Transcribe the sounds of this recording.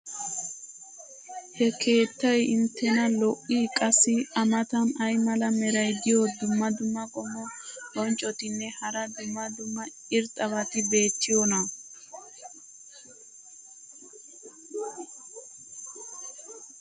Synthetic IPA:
hɛkʰe̞ːt̪ːɐjɪnt̪ːɛnɐlɔʔːiːkʼɐsɪɐmɐt̪ɐnɐjmɐlɐmɛɾɐjd̪ɪjɔd̪ʊmːɐd̪ʊmːɐɡʼɔmɔɡɔnt͡ʃʼɔt̪ɪnːɛhɐɾɐd̪ʊmːɐd̪ʊmːɐ | ɪɾt̪ʼɐβɐt̪ɪbe̞ːt͡ʃːɪjɔnɐ

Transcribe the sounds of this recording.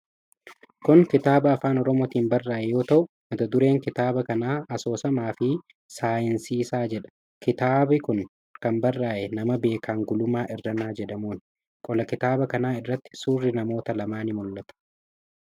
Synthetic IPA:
kʊŋkɪt̪aːbɐːfaːnɔɾɔmoːt̪iːmbɐrːaːʔɛjo̞ːt̪ɐʔʊ | mɐt̪ɐd̪ʊɾe̞ːŋkɪt̪aːbɐkɐnaːɐso̞ːsɐmaːfɪ | saːjɪnsiːsaːd͡ʒɛᶑɐ̥ | kɪt̪aːbɪkʊŋ | kɐmbɐrːaːʔɛnɐmɐbe̞ːkʰaːŋɡʊlʊmaːʔɪrːɐnaːd͡ʒɛᶑɐmuːn | kʼɔlɐkɪt̪aːbɐkɐnaːɪrːɐt̪ːɪ̥suːrːɪnɐmo̞ːt̪ɐlɐmaːnɪmʊlːɐt̪ɐ̥

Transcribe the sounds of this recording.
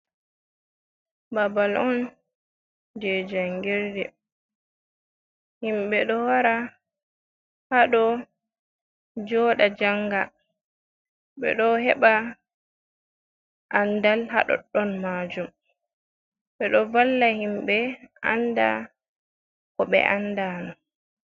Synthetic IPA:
babalɔn | d͡ʒɛd͡ʒaŋɡɛɾdɛ | himɓɛɗɔwaɾa | haɗɔ | d͡ʒɔːɗad͡ʒaŋɡa | ɓɛ̰ɗɔɦɛɓa | ʔandalha̰ɗɔ̰ɗɔnmad͡ʒum | ɓɛɗɔvalːahimɓɛa̰nda̰ | kɔɓɛ̰ʔandaːnɔ

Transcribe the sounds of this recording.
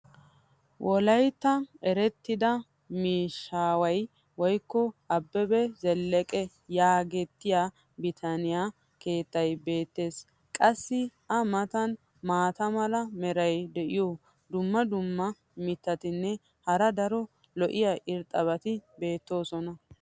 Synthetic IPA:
wʔɔlɐjt̪ːɐɛɾɛt̪ːɪd̪ɐ | miːʃːaːwɐj | wɔjkːɔʔɐbːɛbɛzɛlːɛkʼɛ | jaːɡɛt̪ːɪja | bɪt̪ʰɐnɪjaː | ke̞ːt̪ːɐjbe̞ːt̪ːe̞ːs | kʼɐsːɪʔɐmɐt̪ɐn | maːt̪ɐmɐlɐmɛɾɐjd̪ɛʔɪjoː | d̪ʊmːɐd̪ʊmːɐ | mɪt̪ːɐt̪ɪnːɛ | hɐɾɐd̪ɐɾɔ | lɔʔɪjaʔɪɾt̪ʼɐβɐt̪ɪbe̞ːt̪ːo̞ːsɔnɐ

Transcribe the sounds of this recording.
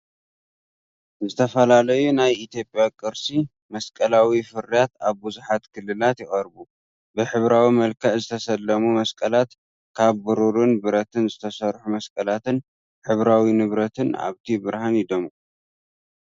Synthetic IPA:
zɨt̪ʰɐfɐlalɐjunajit̪jo̞pʼjakʼɨɾsi | mɐskʼɐlawifɨɾijat̪aβbɨzuħat̪kʰɨlːɨlat̪jɪχʼɐɾbu | bɨħɨβɾawimɐlkʰɐʔzɨt̪ʰɐsɐlːɐmumɐskʼɐlat̪ | kʰaβːɨɾuɾunbɨɾɐt̪ʰɨnzɨt̪ʰɐsɐɾħumɐskʼɐlat̪ɨn | ħɨβɾawinɨβɾɐt̪ʰɨna̰βt̪ʰibɨɾhanjɪd̪omu

